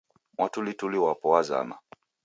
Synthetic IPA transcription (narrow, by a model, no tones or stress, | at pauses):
mwatulituliwapɔwaza̰ma̰